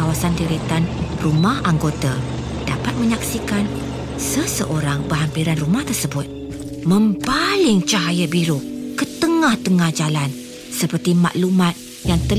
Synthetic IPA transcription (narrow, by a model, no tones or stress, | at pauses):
awasandiɾit̪anrumahaŋɡot̪a | d̥apat̪̚mə̃ɲaksikan | səsəʔoɾaŋbəɦampiɾanrumaht̪ərsəbʊt̪̚ | mə̃mbalɪŋt͡ʃaɦajabiɾʊkət̪əŋãht̪əŋahd͡ʒalan | səpərt̪ima̰ʔlumãt̪̚ | jaŋt̪ə